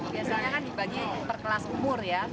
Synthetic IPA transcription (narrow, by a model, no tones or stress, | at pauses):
biasaɲakandibaɡip̪ərkəlasumʊrja